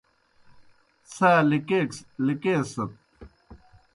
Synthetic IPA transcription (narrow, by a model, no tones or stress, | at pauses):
saːlikeːkslikeːsɐt̪̚